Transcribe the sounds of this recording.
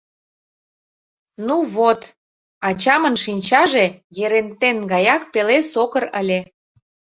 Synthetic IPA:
nuβot̪ | ɑt͡ɕɑmə̆nʃinʲt͡ɕɑʒejeɾent̪enɡɑjɑk̚pelesokəɾəlʲe

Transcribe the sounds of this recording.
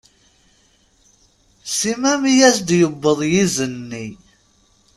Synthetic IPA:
simæmijæsd̪jəbːəðˤjizənːi

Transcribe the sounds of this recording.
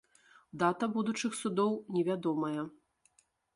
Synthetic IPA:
d̪at̪ɐbud̪ut͡ʂɨxsud̪ɔwnʲɛvʲad̪ɔmɐjɐ

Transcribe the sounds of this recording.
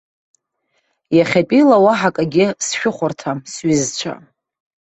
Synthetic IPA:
jaχʲapʼilawaħakʼaɡʲɪsʃᶣʊχʷʊrtʰasɥizt͡ɕʷʰa̰

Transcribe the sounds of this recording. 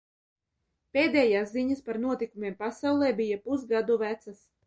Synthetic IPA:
peːd̪ɛːjaːsziɲaspaɾnuɔt̪ikumʲeɛːmpasawlˠɛːbijapusɡad̪uvæt̪sas

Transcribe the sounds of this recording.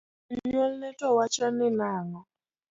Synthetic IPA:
ɲɔlnɛtʼwawat͡ʃaninaːŋɔ

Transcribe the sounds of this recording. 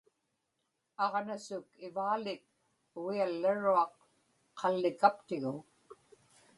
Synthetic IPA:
ɑʁnasʊkɪvaːlɪk̚ | ʊɣialːaɻuɑqʰː | ɑlːɪkapt̪ɪɣʊ

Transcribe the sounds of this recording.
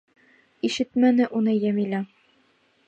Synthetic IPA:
iʃɘt̪mænɘʔunɤjæmilæ

